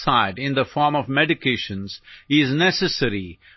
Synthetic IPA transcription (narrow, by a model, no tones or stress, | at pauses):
saɪɖɪ̃nd̪əfɔːɾmɔʋmɛɖɪkʰeʃə̃nz̥ɪznɛsəsəɾi